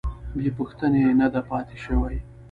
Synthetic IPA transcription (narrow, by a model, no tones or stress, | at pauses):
bepuxt̪ənenad̪apɑt̪eʃəwaj